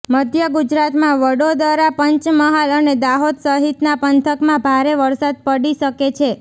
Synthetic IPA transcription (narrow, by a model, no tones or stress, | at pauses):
məd̪ʱjəɡud͡ʒɾat̪mãʋəɽod̪aɾapəɲt͡ʃməɦaləned̪aɦod̪səɦit̪napənt̪ʰəkmãbʱaɾeʋəɾsad̪̚pəɽiʃəket͡ʃʰe